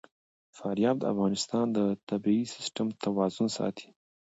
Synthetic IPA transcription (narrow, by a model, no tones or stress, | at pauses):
fɑɾjɑb̚d̪əa̰fɣɑnɪst̪ɑnd̪ət̪abiisɪ̥sʈamt̪awɑzʊnsɑ̰t̪ʰi̥